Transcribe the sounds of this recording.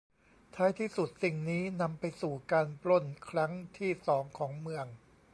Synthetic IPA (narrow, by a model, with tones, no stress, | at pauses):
t̪ʰaː˦˥jt̪ʰiː˥˩su˨˩t̪̚si˨˩ŋniː˦˥na˧mpa˧jsuː˨˩kaː˧npɾo˥˩nkʰɾa˦˥ŋt̪ʰiː˥˩sɔː˩˦ŋkʰɔː˩˦ŋmɯ˧əŋ